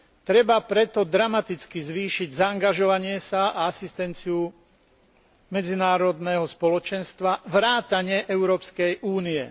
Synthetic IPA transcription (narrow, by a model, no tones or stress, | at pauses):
t̪ɾɛbapɾɛt̪ɔd̪ɾamat̪it͡skizʋiːʃiɟzaːŋɡaʒɔʋaɲɪɛsaaasist̪ɛnt͡siu | mɛd͡zinaːɾɔd̪nɛːɦɔspɔlɔt͡ʃɛnst̪ʋaʋɾaːt̪aɲɪɛʔɛʊɾɔːpskɛjʔuːniɛ̰